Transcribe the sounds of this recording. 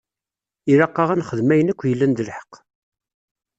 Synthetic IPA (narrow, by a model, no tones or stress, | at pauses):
iɾɑqːɑʁænχəðmæjənækʷːjəlːænd̪əlħə̥qː